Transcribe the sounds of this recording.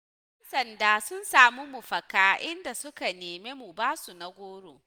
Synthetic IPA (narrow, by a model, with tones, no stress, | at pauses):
ɛ˦nsɐ˨ndaː˦sʊ˦nsaː˨mu˦mʊ˨ɸɐ˨kaː˦ʔɪ˦nda˨sʊ˦ka˨neː˨meː˦mu˨baː˦su˨na˨ɡʷoː˦ɽoː˨